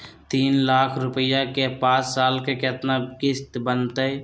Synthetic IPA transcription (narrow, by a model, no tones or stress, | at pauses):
t̪iːnlaːkʰɾʊpjakepaːt͡ʃsaːlkeket̪nakɪst̪bənt̪əe